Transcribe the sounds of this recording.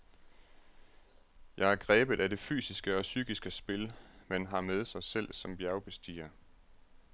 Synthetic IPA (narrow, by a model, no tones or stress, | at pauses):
jɑ̈ɪæɐɡ̥ʁɛːb̥ð̩ˠæde̝fy̰ːsisɡ̥əɒ̽syːɡ̥isɡ̥əsb̥e̝lmenɦɑ̈með̞ˠsɑ̈ɪsel̰sɒ̽mb̥jæɐʊb̥e̝sd̥ḭːɐ